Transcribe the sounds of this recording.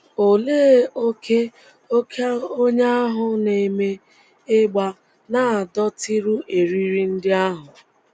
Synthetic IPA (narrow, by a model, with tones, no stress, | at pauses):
o˨leː˦o˦ke˦ | o˦kʰe˦a˦o˦ɲe˦a˦ɦʊ˦˨ne˨me˦ | ɪ˦ɡ͡ba˦ | na˨a˨dɔ˦ti˦ɾu˦ʔe˨ɾi˦ɾi˦n̩˦dɪ˦a˦ɦʊ˨